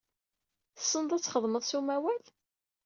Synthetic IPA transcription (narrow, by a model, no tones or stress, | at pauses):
θə̥sˤːənd̪ˤæt͡sːχəðˤməðˤsumæwæl